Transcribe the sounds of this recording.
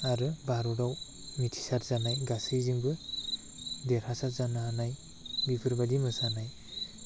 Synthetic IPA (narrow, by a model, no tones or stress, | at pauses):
aɾɯbaɾuɾaw | mitʰi̥saɾzanajɡasɯjziŋbɯ | deɾhasatzanaanaj | bipʰɯɾbadimɯsanaj